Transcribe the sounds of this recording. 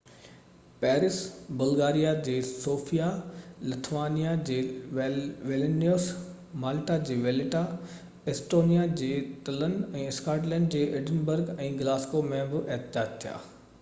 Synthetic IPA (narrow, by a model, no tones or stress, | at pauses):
pɛːɾɪsbɐlɡaːɾijad͡ʑeːsoːfijalɪt̪ʰʋaːnijad͡ʑeː | ʋelnoːs | maːlʈad͡ʑeːʋelɪʈa | esʈoːnijad͡ʑeːt̪ɐlənɛ̃ːɪskaːʈlɛ̃ːɳɖd͡ʑeːʔɪɖɪnbəɾɡɛ̃ːɡɪlaːskomẽbɪʔeɦt̪ɪd͡ʑaːd͡ʑt̪ʰija̰ː